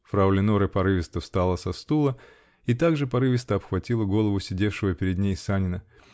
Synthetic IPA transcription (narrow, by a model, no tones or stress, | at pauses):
fɾɐwlʲɪnoɾəpɐɾɨvʲɪst̪əfst̪alˠəsɐst̪ulˠə | it̪aɡʐɨpɐɾɨvʲɪst̪əɐpxvɐtʲilˠəɡo̞lˠəvʊsʲɪdʲe̞fʂɨvəpʲɪɾʲɪd̪nʲejsanʲɪnə